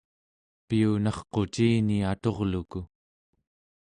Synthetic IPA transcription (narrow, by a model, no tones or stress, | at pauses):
piunɑχqo̞t͡ʃiːniat̪o̞ʁluku